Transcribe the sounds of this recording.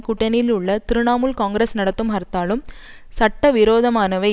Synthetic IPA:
kʊʈːɐnɪlʊɭːɐt̪ɪɾɯnaːmɯlkaːŋɡɾesnɐɽɐt̪ːɯmɦɐɾt̪ːaːlɯm | sɐʈːɐʋɪɾoːðɐmaːnɐʋɐɪ

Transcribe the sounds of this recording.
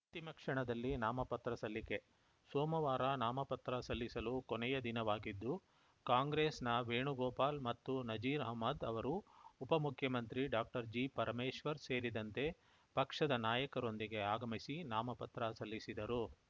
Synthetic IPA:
t̪imɐkʂɐɳɐd̪ɐlːinaːmɐpɐt̪ɾɐsɐlːike̞ | soːmɐʋaːɾanaːmɐpɐt̪ɾɐsɐlːisɐlukonɛjɐd̪inɐʋaːɡid̪ːu | kaːŋɡɾeːsnɐʋeːɳuɡɔːpaːlmɐt̪ːunɐd͡ʒiːɾɐɦmɐd̪ɐʋɐɾuːpɐmukʰjɐmɐnt̪ɾiɖaːk̚ʈɐɾd͡ʒiːpɐɾmeːʂʋɐɾse̞ːɾid̪ɐnt̪e̞ | pɐkʂɐd̪ɐnaːjɐkɐɾo̞nd̪iɡe̞aːɡɐmisinaːmɐpɐt̪ɾɐsɐlːisid̪ɐɾu

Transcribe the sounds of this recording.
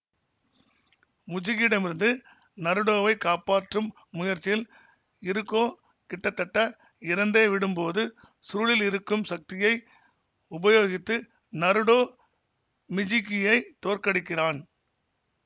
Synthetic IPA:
mʊd͡ʒɪɣɪɽɐmɪɾɯnd̪ɯ | nɐɾɯɽoːʋɐɪkaːpaːʈrɯmː | ʊjɐɾt͡ʃːɪjɪl | ɪɾɯkːoː | kɪʈːɐt̪ːɐʈːɐ | ɪɾɐnd̪eːʋɪɽɯmpoːðɯ | suːlɪlɪɾɯkːɯmsɐk̚t̪ɪjɐɪ | ʊbɐjoːɣɪt̪ːɯ | nɐɾɯɽoː | mɪd͡ʒɪkɪjɐɪt̪oːrkɐɽɪkːɪraːn

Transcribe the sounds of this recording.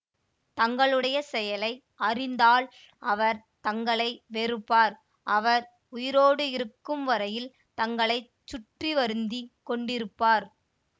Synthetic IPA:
t̪ɐŋɡɐɭɯɽɐjɐsɛjɐlɐɪ | ʔɐrɪnd̪aːɭ | ʔɐʋɐɾ | t̪ɐŋɡɐɭɐɪʋeɾɯpːaːɾ | ʔɐʋɐɾ | ʊjɪɾoːɽɯɪɾɯkːɯmʋɐɾɐjɪl | t̪ɐŋɡɐɭɐɪ | t͡ʃːʊʈriʋɐɾɯnd̪ikɔɳɖɪɾɯpːaːɾ

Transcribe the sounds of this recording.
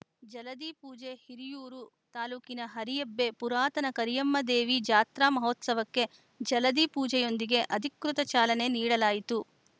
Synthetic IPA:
d͡ʒɐlɐd̪iːpuːd͡ʒe̞hiɾijuːɾu | t̪aːluːkinɐɦɐɾijɐbːe̞puɾaːt̪ɐnɐkɐɾijɐmːɐd̪eːʋid͡ʒaːt̪ɾaːmɐɦoːt̪sɐʋɐkːe̞ | d͡ʒɐlɐd̪iːpuːd͡ʒɛjo̞nd̪iɡe̞ʔɐd̪ʱikɾut̪ɐt͡ʃaːlɐne̞niːɽɐlaːjit̪u

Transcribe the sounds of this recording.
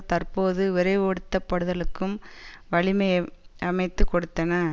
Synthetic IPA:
t̪ɐrpoːðɯʋɪɾɐɪʋɔɽɯt̪ːɐpːɐɽɯðɐɭɯkːɯmʋɐɭɪmɐɪɐmɐɪt̪ːɯkːɔɽɯt̪ːɐnɐ

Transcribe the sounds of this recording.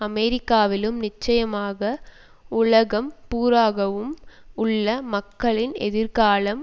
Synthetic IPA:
ɐmɛɾɪkːaːʋɪlɯmnɪt͡ʃːɐjɐmaːɣɐ | ʊɭɐɣɐmpuːɾaːɣɐʋɯmʊɭːɐmɐkːɐɭɪnɛ̰ðɪɾɣaːɭɐm

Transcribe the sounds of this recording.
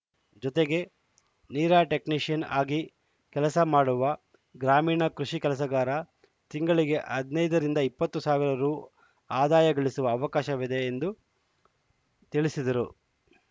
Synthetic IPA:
d͡ʒɔt̪eɡe̞ | niːɾaːʈe̞kniːʂijɐnaːɡi | kɛlɐsɐmaːɽuʋɐ | ɡɾaːmiːɳɐkɾuʃikɛlɐs̬ɐɡaːɾɐ | t̪iŋɡɐɭiɡe̞ʔɐd̪nɐjd̪ɐɾind̪ɐipːɐt̪ːusaːʋiɾɐɾu | aːd̪aːjɐɡɐɭisuʋɐːʋɐkaːʃɐʋid̪e̞ːnd̪u | t̪iɭisid̪ɐɾu

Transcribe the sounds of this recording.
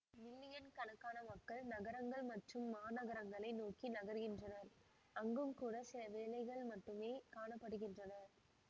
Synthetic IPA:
nɪlːɪjɐnkɐnɐkːaːnɐmɐkːɐɭnɐɣɐɾɐŋɡɐɭmɐʈrɯmːaːnɐɣɐɾɐŋɡɐɭɐɪnoːkinɐɣɐɾɣɪndrɐnɐɾ | ɐŋɡɯmkuːɽɐsɪlɐʋeːlɐɪɣɐɭmɐʈːɯmeːkaːɳɐpːɐɽɯɣɪndrɐnɐɾ

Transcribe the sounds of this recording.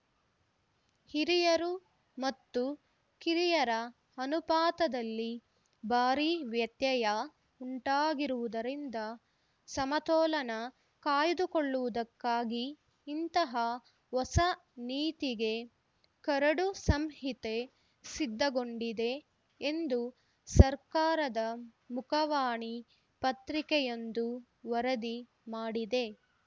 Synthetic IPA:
hiɾijɐɾu | mɐt̪ːu | kiɾijɐɾɐ | ɐnupaːt̪ɐd̪ɐlːi | baːɾiʋjɐt̪jɐjɐ | uɳʈaːɡiɾuʋud̪ɐɾind̪ɐ | sɐmɐt̪ɔːlɐnɐ | kaːjd̪ukoɭːuʋud̪ɐkːaːɡiː | nt̪ɐɦɐ | ʋɔsɐniːt̪iɡe̞ | kɐɾɐɽusɐmɦit̪e̞ | sid̪ːɐɡo̞ɳɖid̪e̞ː | nd̪u | sɐɾkaːɾɐd̪ɐ | mukʰɐʋaːɳi | pɐt̪ɾikɛjond̪u | ʋɐɾɐd̪i | maːɽid̪e̞

